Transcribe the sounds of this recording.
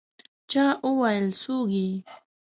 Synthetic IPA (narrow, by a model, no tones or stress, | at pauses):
t͡ʃaʔʊwajlsuɢi